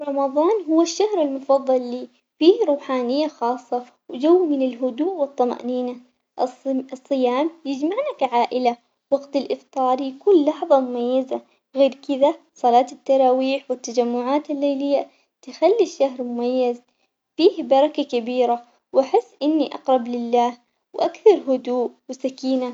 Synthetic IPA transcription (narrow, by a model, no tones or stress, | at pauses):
ɾˤɑmɑðˤɑːnɦʊwːaʃːahɾɪlmʊfɑðˤːɑlːiː | fiːhɾˤuːħaːnɪjːaxɑːsˤːɑ | wd͡ʒawːmɪnɪlɦʊd̪uːʔwɨt̪ˤːɑma̰ʔniːna | ʔsˤːɨjaːmjɪd͡ʒmaʕnakaʕaːʔɪla | wɑɡt̪alʔɪft̪ˤɑːɾˤjakuːnːɑħðˤɑmʊmajːaza | ɣeːɾkɪd̪a | sˤɑlɑːt̪ɪt̪ːɑɾˤɑːwiːħwɪt̪ːad͡ʒamːʊʕaːt̪ɪlːejlɪjːa | t̪ɪxalːiʃːahɾmʊmajːaz | fiːhbɑɾˤɑkakabiːɾa | wʔaħɪsːʔɪnːiʔɑ̰qɾˤɑblɪlːaːh | wʔakθɑɾˤɦʊd̪uːʔwɪsakiːna